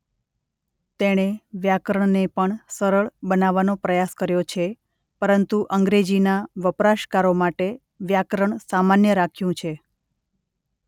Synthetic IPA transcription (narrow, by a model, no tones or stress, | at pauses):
t̪eɽ̃eʋjakɾəɳnepəɳsəɾəɭbənaʋanopɾəjaskəɾjot͡ʃʰe | pəɾənt̪uʔəŋɡɾed͡ʒinaʋəpɾaʃkaɾomaʈe | ʋjakɾəɳsamanjəɾakʰjũt͡ʃʰe